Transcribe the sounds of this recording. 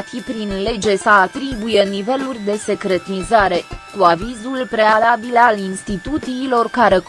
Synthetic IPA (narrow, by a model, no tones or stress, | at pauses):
fipɾinle̞d͡ʒe̞səat̪ɾibuje̞nive̞lurʲd̪e̞se̞kɾe̞t̪nizaɾe̞kuavizulpɾe̞alabilalinst̪it̪ut̪siːlo̞rkaɾe̞